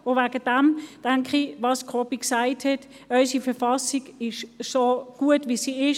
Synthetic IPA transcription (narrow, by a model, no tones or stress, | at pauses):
ʊvaːɡəd̥amd̥ɛŋkχivɑːskʰopiksaɪthɛt | œʏsifɛfɑsiɡɪʃsoɡ̥uətʋisiɪʃ